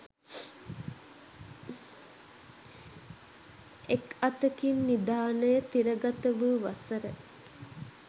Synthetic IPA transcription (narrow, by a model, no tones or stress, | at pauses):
ekɐt̪əkinːid̪aːnəjət̪iɾəɡat̪əʋəʋasəɾə